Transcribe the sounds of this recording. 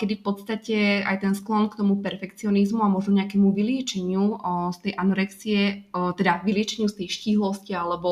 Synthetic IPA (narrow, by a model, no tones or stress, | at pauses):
kɛd̪ifpɔt̪st̪acɛa̰jt̪ɛnsklɔnkt̪ɔmupɛɾfɛkt͡siɔnizmuamɔʒnɔɲɛakɛmuʋilɪɛt͡ʃɛɲɪust̪ɛjʔanɔɾɛksiɛt̪ɛd̪aʋilɪɛt͡ʃɛɲɪust̪ɛjʃciːɦlɔscialɛbɔ